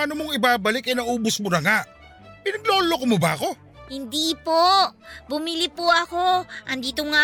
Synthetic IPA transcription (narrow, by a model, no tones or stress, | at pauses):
ɐnomoŋɪbaːbɐlɪkʔɐjnɐʔuːbʊsmonɐŋaʔ | pɪnɐɡ̚loːlokomobɐɐko̞ | hɪnd̪iːpobʊmilɪpoʔɐko̞ʔɐnd̪iːt̪oŋa